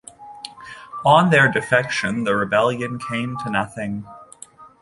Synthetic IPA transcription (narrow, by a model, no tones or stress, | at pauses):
ə̃nðə˞dɨfɛkʃɨ̃nðɨɹɨbɛlˠjɨ̃nkʰẽɪ̃mtʰɨnʌθɪ̃ŋ